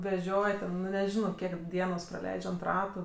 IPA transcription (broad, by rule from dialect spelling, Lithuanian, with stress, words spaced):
ʋʲɛˈʒʲoːj tʲɛn ˈnʊ nʲɛˈʒʲɪnɐʊɔ ˈkʲiɛk ˈdʲiɛnoːs prɐˈlʲɛɪt͡ʃʲ ɐnt ˈrɑːtʊ